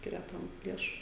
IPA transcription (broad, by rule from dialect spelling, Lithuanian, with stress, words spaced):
ˈsʲkʲɪrʲɛ ˈtɐm ˈlʲiɛʃʊ